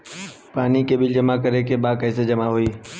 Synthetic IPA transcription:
paːnikeːɓɪld͡ʒəmaːkəɾeːkeːɓaːkəːseːd͡ʒəmaɦʊiː

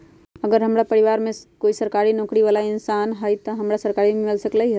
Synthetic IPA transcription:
ɐɡəɾɦɐmɾapɐɾɪʋaːɾmẽkoːisɐɾkaːɾinɔ̃ːkɽiʋaːlaɪnsaːnɦajt̪ɐɦɐmɾasɐɾkaːɾimẽmɪlsɐklaɦiɦ

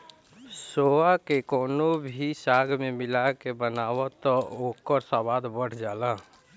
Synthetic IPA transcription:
soakekoːnobʱisaɡmemɪlakebənawɔt̪ɔokəɾsabad̪bəɽ̤ʰd͡ʒaːlã

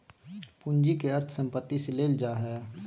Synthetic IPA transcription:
pund͡ʒikeəɾt̪ʰsə̃mpət̪ːiseleːld͡ʒaːɦɛː

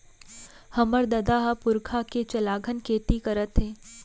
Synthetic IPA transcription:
hɐməɾd̪ɐd̪aɦapʊɾkʰaket͡ʃɐlaːɡʱənkʰeːt̪ikəɾət̪ɦẽː

